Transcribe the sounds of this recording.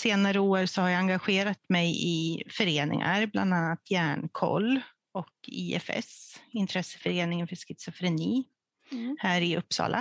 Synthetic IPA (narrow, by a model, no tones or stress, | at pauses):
seːnaɾəoːɾsɔhaɾjaaŋɡaɧeːɾat̪mɛjɪfœɾeːnɪ̰ŋa̰ɾbla̰nd̪anːat̪ʰjæːɳkʰɔ̰lː | ɔkiːɛ̰fɛ̰sɪnt̪ʰɾɛsə̥fœɾeːnɪŋənfœʂkɪt̪sɔfɾɛniː | hæːɾɪɵpːsɑ̰ːlʔa̰